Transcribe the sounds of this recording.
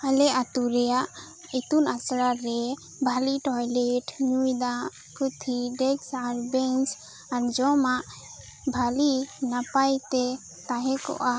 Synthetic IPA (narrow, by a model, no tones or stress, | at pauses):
alɛʔat̪uɾɛjaʔ | it̪unasɾaɾɛ | bʱaliʈɔjlɛʈɲujd̪aʔ | kut̪ʰiɖɛksaɾbɛnt͡ʃ | aɾd͡ʒɔmaʔ | bʱalinapajt̪ɛ | t̪aɦɛ̃kɔ̰ʔa